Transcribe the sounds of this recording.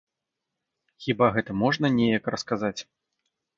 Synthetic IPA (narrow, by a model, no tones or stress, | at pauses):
xʲibaɣɛt̪ɐmɔʐnɐnʲɛjɐkrɐskazat͡sʲ